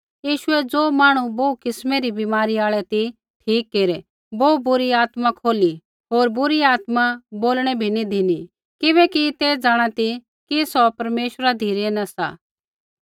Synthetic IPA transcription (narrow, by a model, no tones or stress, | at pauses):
jiːʃʊɛd͡zoːmaːɽ̃uboukɪsmɛɾibɪmaːɾiaːɭɛt̪i | ʈʰiːkːeːɾɛ | boːubʊɾiaːt̪makʰoːli | ɦoːɾbʊɾiaːt̪maboːlɽ̃ɛbʱinid̪ʱini | kɪβɛkit̪ed͡zaːɽ̃at̪i | kisɔpɐɾmeːʃɾad̪ʱiːɾɛnɐsa̰ː